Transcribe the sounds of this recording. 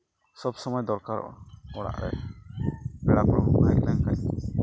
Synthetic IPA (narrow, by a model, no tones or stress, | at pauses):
sɔbsɔmɔjd̪ɔɾkaɾɔ̰ʔɔ̰ɔɽa̰ʔɾɛ̰ | bɛɽapɾɔbajlaŋkaɲ